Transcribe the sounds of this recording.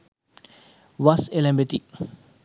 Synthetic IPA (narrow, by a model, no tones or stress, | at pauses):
wasɛlɛ̃mbɛt̪ik̚